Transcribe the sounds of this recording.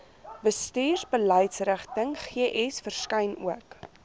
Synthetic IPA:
vəstiːrsbələjtsrəχtəŋχiəʔɛsfərskɐjnṵək

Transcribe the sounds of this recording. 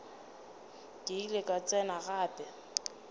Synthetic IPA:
dʼiilekʼat͡sʼɛnaɣaːpʼɛ

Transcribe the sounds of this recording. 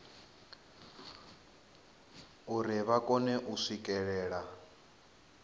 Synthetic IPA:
uɾiβakʼɔnɛʔuʂikʼɛɺɛːɺa

